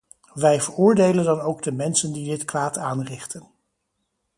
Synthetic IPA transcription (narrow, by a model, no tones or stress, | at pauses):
ʋɛjvəɹʊːɹdejləndɑnowɡdəmɛnsəndidɪtkʋaːtaːnrɪχtən